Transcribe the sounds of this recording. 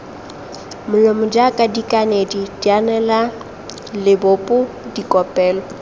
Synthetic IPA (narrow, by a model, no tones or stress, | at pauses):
mʊlɔmʊd͡ʒakʼadikʼanedidianɛla | lɪbʊpʼʊ | dikʼɔpʼɛːlɔ